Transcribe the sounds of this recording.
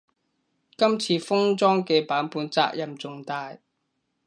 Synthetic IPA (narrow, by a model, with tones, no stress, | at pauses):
kɐ˥mt͡sʰiː˧fʊ˥ŋt͡sɔː˥ŋkɛː˧paː˨˥npuː˨˧nt͡sa̰ː˧˥k̚jɐ˨˩mt͡sʊ˨ŋt̪aː˧j